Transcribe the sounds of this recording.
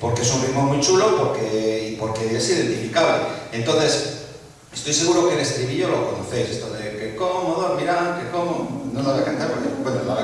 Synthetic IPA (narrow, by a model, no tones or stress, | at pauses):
po̞ɾkeesunrimoɾmuijt͡ʃulo̞poɾke̞ipo̞ɾke̞esiðe̞nt̪ifikaβlḛent̪o̞nθe̞s | e̞st̪o̞jse̞ɣuɾo̞keɾest̪ɾiβiʝoloko̞noθe̞jse̞st̪oðekekomoðamiɾaŋkekomonolaβejakant̪aɾpenekukend̪ola